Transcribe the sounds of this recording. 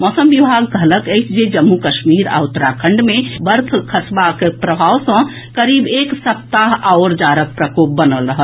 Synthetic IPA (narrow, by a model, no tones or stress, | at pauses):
mɔːsəmbibʱaɡkələkəjt͡ʃʰd͡ʒed͡ʒəmːukəʃmiɾa̰ut̪ːɾakʰəɳɖmebəɾkʰkʰəsbakepɾəbʱawsə̃ | kəɾibeksəp̚t̪aɦaʊɾd͡ʒaɾək̚pɾəkop̚bənəlɾəɦəl